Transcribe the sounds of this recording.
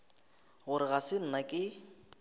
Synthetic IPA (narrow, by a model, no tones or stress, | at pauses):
ɣʊɾɪɣasɪn̩nakʼɪ